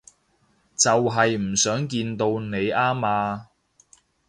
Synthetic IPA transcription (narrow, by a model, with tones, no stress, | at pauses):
t͡sɐ˨wɦɐ˨jm̩˨˩sœː˨˥ŋk̬iː˧nt̪o˧wne˨˧jaː˥maː˧